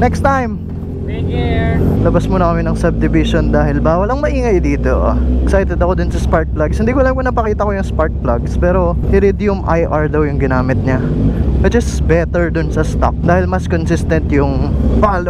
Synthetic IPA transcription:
nɛkst̪ajm | lɐbɐsmʊnɐkɐmɪnɐŋsɐb̚d̪ɪvɪʃond̪aːɦɪlbaːwɐlɐŋmɐʔiːŋɐjd̪iːt̪oʔʔksajt̪ɛd̪ɐko̞d̪ʊnsɐspaɹt̪̚plaɡshɪnd̪iːkʊlɐaamkonɐpɐkiːt̪ɐko̞jʊŋspaɹt̪̚plaɡspɛːɾo̞ʔɪɾɪd̪ijʊmʔa̰jʔaɹd̪ɐwjʊŋɡɪnaːmɪt̪̚ɲɐ | ɐt̪̚d͡ʒɐsbɛt̪ɛɹd̪ʊnsɐst̪o̰k̚d̪aːhɪlmɐskonsɪst̪ɐnt̪jʊŋpaːlo

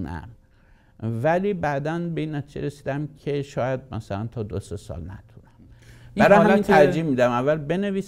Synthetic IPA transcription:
næ̰ | væliːbæd̪ænbe̞iːnːæt̪ʰiːd͡ʒḛɾesiːd̪æmkʰe̞ʃɒːjæd̪̚mæ̰sælænt̪ʰɒːd̪osesɒ̰ːlnæ̰t̪ʰunæm | bæɾɒhæmt̪ʰæɾd͡ʒiːhmiːd̪æmævːælbe̞ne̞viːs

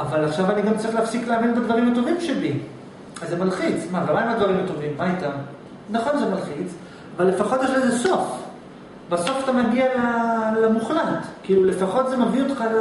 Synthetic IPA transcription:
avalaχʃavaniɡamt͡saʁiχleafsikleaminbedvaʁimato̞vimʃebi | azemalχit͡smavemaimadvaʁimato̞vimːaitam | naχo̞nzemalχit͡s | avalːe̞faχo̞tjɛʃlezeso̞f | baso̞fatamaɡialalemuχlatkiiːlule̞faχo̞tzemavio̞t̪χa

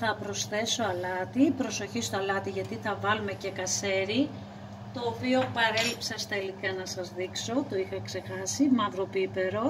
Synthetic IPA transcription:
θɐpɾo̞sθe̞so̞ɐlɐt̪ipɾo̞so̞çist̪oɐlɐt̪iʝɐt̪iθɐvɐlume̞ce̞kɐse̞ɾi | t̪o̞ːpio̞pɐɾe̞lipsɐst̪ɐilikɐnɐsɐzðikso̞t̪oixɐkse̞xɐsimɐðɾo̞pipe̞ɾo̞

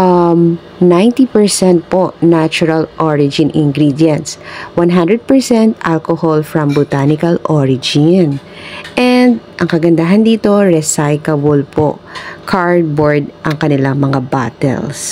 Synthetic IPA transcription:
ʔɐm | najnt̪ipɛɹsɛnt̪̚poʔnat͡ʃʊɹɐlʔoɹɪd͡ʒɪnʔɪ̰ŋɡɾid̪jɛnt̪swanɦãnd̪ɾɛd̪̚pɛɹsɛnt̪ʔalkoholfɹɐmbʊt̪anɪkɐlʔoɹɪd͡ʒɪn | ʔɛnd̪ʔɐŋkɐɡɐnd̪aɦɐnd̪iːt̪o̞ɹɛsajkɐbolpʰo̰kʰaɹd̪̚boɹd̪ʔɐŋkɐnɪlaŋmɐŋaba̰t̪ɛ̰ls

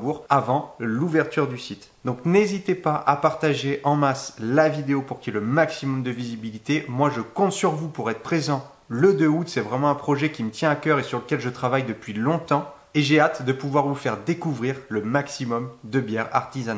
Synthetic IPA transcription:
buʁavɑ̃luvɛʁt̪yʁd̪ysit̪ | d̪ɔ̃knezit̪epaʔa̰paʁt̪aʒeʔɑ̃maslavid̪eopuʁkʲiɛləmaksimɔmd̪əvizibilit̪emwaʒəkɔ̃t̪syʁvupuʁɛt̪χəpχezɑ̃ | ləd̪øut̪sɛvʁɛmɑ̃ɛ̃pχɔʒɛkʲimət̪jɛ̃akʲœʁesyʁləkʲɛlʒət̪χavajd̪əpɥilɔ̃t̪ɑ̃ | eʒeat̪d̪əpuvwaʁvufɛʁd̪ekuvʁiːʁləmaksimɔmd̪əbjɛʁa̰ʁt̪izan

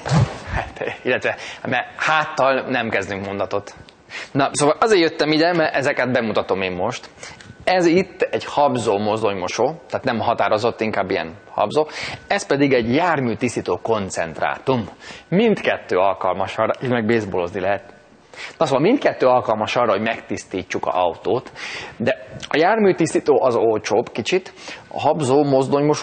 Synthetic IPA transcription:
hat̪ilːɛt̪ʋɛmɛhaːt̪ːɒlnɛmkɛzd̪yŋkmo̞nd̪ɒt̪o̞t̪ | nɒsoːʋɒlʔɒzeːɾjøt̪ːɛmid̪ɛmɛɛzɛkɛd̪̚bɛmut̪ɒt̪o̞meːmːo̞ʃt̪ɛzit̪ːɛɟhɒbzoːmozoɲmo̞ʃoːt̪aːt̪nɛmɦɒt̪aːɾo̞zo̞t̪ːiŋkaːbːijɛ̰nhɒ̰bzoːɛspɛd̪iɡɛɟjaːrmyːt̪ist̪it̪oːko̞nt̪sɛ̰nt̪ra̰ːt̪umːint̪kɛt̪ːøːɒlkɒlmɒʃɒrːɒʔit̪mɛɡ̚beːzbolo̞znilɛɦɛt̪̚ | nɒsoːɒmint̪kɛt̪ːøːɒlkɒlmɒʃɒːrːɒɦoɟmɛkt̪ist̪iːt͡ʃːukɒ̰ʔɒwt̪oːt̪d̪ɛɒjaːrmyːt̪ist̪it̪oːʔɒzolt͡ʃoːbkit͡ʃit̪ɒ̰ɦɒbzoːmo̞zd̪o̞ɲmoʃ

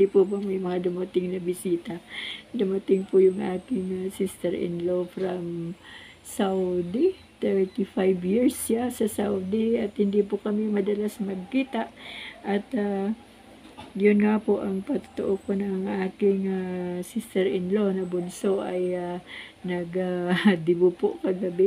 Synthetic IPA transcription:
d̪ipʊbɐmjʊŋmɐŋad̪ʊmɐt̪ɪŋnɐbɪsiːt̪ad̪ʊmɐt̪ɪŋpʊjʊŋʔaːkɪŋasɪst̪ɛɾʔɪ̰nlo̞fɾɐm | sawd̪i | t̪ɛɹt̪ifajbjiɹsasɐsawd̪iɐt̪hɪnd̪ipʊkɐmɪmɐd̪ɐlasmɐɡ̚kiːt̪aʔʔɐt̪a | jʊnŋapoʔɐŋpɐt̪ʊ̥t̪o̰ʔokonɐŋʔaːkɪŋasɪst̪ɛɾʔɪnlo̞nɐbʊnsoʔɐjanɐɡad̪ɪbʊpoʔkɐɡɐbɪ

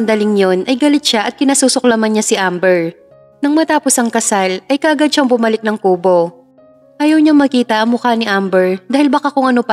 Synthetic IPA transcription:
nd̪ɐlɪŋjo̞nʔɐjɡɐlɪt̪̚ʃaʔɐt̪̚kɪnɐsuːsok̚lɐmɐnɲasɪʔambɛɹ | nɐŋmɐt̪aːpo̞sɐŋkɐsalʔɐjkɐʔɐɡad̪ʃɐŋbʊmɐlɪk̚nɐŋkuːbo̞ | ʔaːjɐwɲɐŋmɐkiːt̪ɐʔɐmʊkanɪʔambɛɹd̪aːhɪlbɐkakʊŋʔɐno̞pɐ

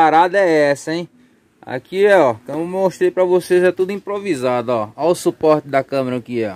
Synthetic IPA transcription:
aɾad̪ɐɛɛsɐẽj̃ | a̰kiɛɔkõmʊmmoʃt̪ɾejpɾɐvosezɛt̪ud̪ʊĩpɾovizad̪ʊɔawsupɔɾt̪ɪd̪ɐkɐ̃meɾɐkiɔ

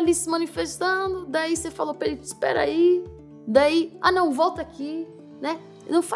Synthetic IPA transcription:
lisɪmɐ̃nifest̪ɐ̃d̪ʊd̪aisefalopeɾit̪ʊi̥spɛ̰ɾa̰i | d̪aia̰nɐ̃w̃vɔwt̪ɐaki | nɛ | nɐ̃w̃fa

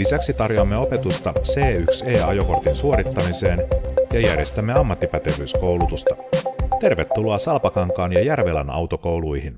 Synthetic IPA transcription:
lisæksit̪ɑrjoɑmːe̞o̞pe̞t̪ust̪ɑse̞ːykse̞ːɑ̰joko̞rt̪insuo̞ɾit̪ːɑmise̞ːnjɑjæ̰rje̞st̪æmːe̞ɑmːɑt̪ːipæt̪e̞ʋyːsko̞wlut̪ust̪ɑt̪e̞rʋe̞t̪ːuloɑsɑlpɑkɑŋkɑːnjɑjærʋe̞læ̰nɑ̰wt̪o̞ko̞wlujhin

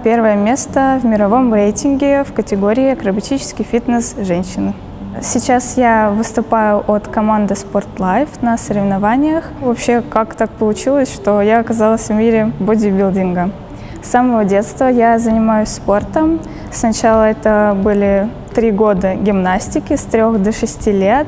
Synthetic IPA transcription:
pʲe̞rvəjəmʲe̞st̪əvmʲɪɾɐvo̞mrejtʲɪnɡʲɪfkətʲɪɡo̞ɾʲɪːɐkɾəbɐtʲit͡ɕɪ̥skʲɪjfʲit̪nəsʐɛnʲɕːɪnɨ | sʲɪt͡ɕasjavɨst̪ʊpajʊʔot̪kɐmand̪ɨsport̪lˠajfnəsəɾʲɪvɪnɐvanʲɪjəxvɐpɕːe̞kakt̪ak̚pəlˠʊt͡ɕilˠəsʲʂt̪o̞jaɐkɐzalˠəsʲvmʲiɾʲɪbodʲɪbʲilʲˠdʲɪnɡə | sːaməvədʲe̞t̪st̪vəjazənʲɪmajʊsʲspo̞rt̪əm | snɐt͡ɕalˠəɛt̪əbɨlʲɪ | t̪ɾʲiɡo̞d̪əɡʲɪmnasʲtʲɪkʲɪst̪ɾʲoxd̪əʂɨsʲtʲilʲet̪

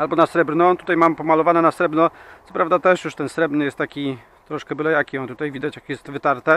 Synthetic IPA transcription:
albɔnasɾɛbɾnɔt̪u̥t̪ajmampɔmalɔvanɛnasɾɛbnɔt̪sɔ̥pɾavd̪at̪ɛʂjuʂt̪ɛnsɾɛbɾnɘjɛst̪t̪ːakʲi | t̪ɾɔʂkɛbɘlɛjakʲiɔnt̪ut̪ajvʲid̪at͡ɕjakjɛst̪vɘt̪aɾt̪ɛ

